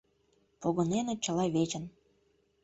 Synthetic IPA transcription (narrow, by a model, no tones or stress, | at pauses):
poɣənenet͡ɕə̆lɑβet͡ɕə̆n